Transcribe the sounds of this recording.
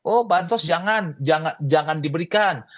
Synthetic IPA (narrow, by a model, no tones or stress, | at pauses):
ʔohbant̪ɔsd͡ʒaŋand͡ʒaŋad͡ʒaŋandibəɾikan